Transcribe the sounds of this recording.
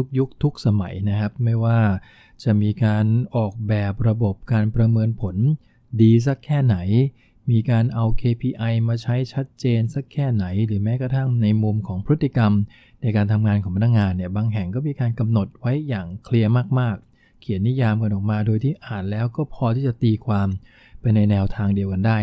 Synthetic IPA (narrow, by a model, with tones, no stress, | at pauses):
tu˦˥k̚ju˦˥k̚t̪ʰu˦˥k̚sa˧ma˩˦jna˦˥kʰa˦˥p̚ma˥˩jwaː˥˩ | t͡ɕa˨˩ʔmiː˧kaː˧nʔɔː˨˩k̚bɛː˨˩p̚ɾa˧bo˨˩p̚kaː˧npɾa˧mɤː˧npʰo˩˦n | diː˧s̬a˦˥kʰːɛː˥˩na˩˦j | miː˧kaː˧nʔa˧wkʰeː˧pʰiː˧ʔa˧jmaː˧t͡ɕʰa˦˥jt͡ɕʰa˦˥t̪̚t͡ɕeː˧nsa˦˥kʰːɛː˥˩na˩˦jɾɯː˩˦mɛː˦˥kɾa˧t̪ʰa˦˥˩ŋna˧jmu˧mkʰɔː˩˦ŋpʰɾɯ˦˥t̪ːi˨˩ka˧m | na˧jkaː˧nt̪ʰa˧mŋaː˧nkʰɔː˩˦pʰa˧nːa˥kŋaː˧nːi˥˩baː˧ŋɦɛ˨˩ŋkɔː˥˩miː˧kaː˧nka˧mno˨˩t̪̚wa˦˥jːaː˨˩ŋkʰli˧əmaː˥˩k̚maː˥˩kʰː | i˨˩˦ənːi˦˥jaː˧mka˧nʔɔː˨˩k̚maː˧doː˧jt̪ʰiː˥˩ʔaː˨˩n̚lɛː˦˥wkɔː˥˩pʰɔː˧t̪ʰiː˥˩t͡ɕa˨˩t̪iː˧kʰwaː˧m | pa˧jna˧jnɛː˧wt̪ʰaː˧ŋdi˧əwka˧ndaː˥˩j